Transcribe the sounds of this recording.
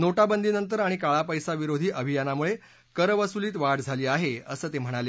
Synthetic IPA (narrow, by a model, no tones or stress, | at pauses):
noʈabənd̪iːnənt̪̬əɾaɽ̃ikaɭapəjsaʋiɾod̪ʱiːʔəbʱijanamuɭe | kəɾʋəsuliːt̪ʋaɽd͡zʱaliːaɦeə̰səːt̪em̤əɽ̃ale